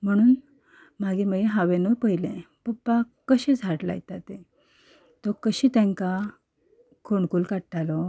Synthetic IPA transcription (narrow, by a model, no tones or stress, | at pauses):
m̤əɽ̃uːn | maɡiːməɡeɦaʋenopəjlɛ̃ | bəpːa | kəɕẽd͡zʱaɽla̰jt̪at̪e | t̪ɔkəɕiːt̪ɛ̃ŋka | kʰoɳkuːlkaʈalɔ